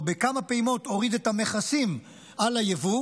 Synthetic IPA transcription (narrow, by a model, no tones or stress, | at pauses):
bekamapeimo̞to̞ʁid̪etame̞χasim | alajevu